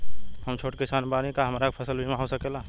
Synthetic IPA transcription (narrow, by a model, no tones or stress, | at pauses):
həmt͡ʃʰoːʈkesaːnbaɾẽkaɦɐmaɾakpʰəsəlbʱimẽɦosəkela